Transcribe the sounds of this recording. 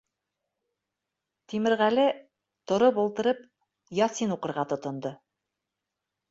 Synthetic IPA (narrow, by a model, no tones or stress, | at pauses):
t̪imɘ̆ɾʁælɘ | t̪ŏɾopŭlˠt̪ɤ̆ɾɤp̚ | jɑsinuqɤ̆ɾʁɑt̪ŏt̪ŏnd̪ɤ